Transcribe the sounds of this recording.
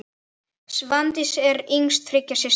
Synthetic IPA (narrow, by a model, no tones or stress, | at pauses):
svant̪ɪsɛɾeŋst̪fɾɪcːasɪs